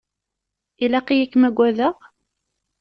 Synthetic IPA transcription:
ilæqijækːmæɡʷːæðəʁ

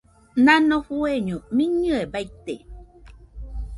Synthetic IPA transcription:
nanohueɲumiɲɨebait̪e

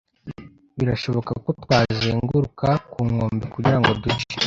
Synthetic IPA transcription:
βiɾaʃo̞βo̞kakotwaːzeːŋɡuɾukakuːŋo̞ːmbikuɟiɾaŋɡo̞duce̥

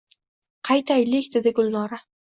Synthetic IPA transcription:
qʰɑjt̪ʰajlɪkʲd̪ed̪ɪɡʊlˠnɒɾa

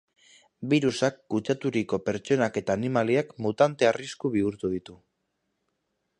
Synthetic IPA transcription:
biɾusakːut͡ʃat̪uɾiko̞pe̞ɾt͡ʃo̞nake̞t̪aːnimaliakmut̪ant̪e̞ariskuβ̞iuɾt̪uðit̪u

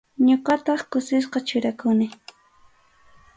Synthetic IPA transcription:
ɲoqɑt̪ɑχkʊsɪs̬qɑt͡ʃʊɾakʊnɪ

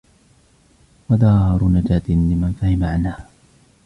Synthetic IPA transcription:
wad̪ɑːɑɾˤʊnad͡ʒaːt̪ɪnlɪmanfahɪmaʕanhaː

